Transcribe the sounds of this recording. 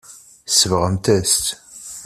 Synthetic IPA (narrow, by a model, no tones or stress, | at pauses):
səvʁəmt̪æst̪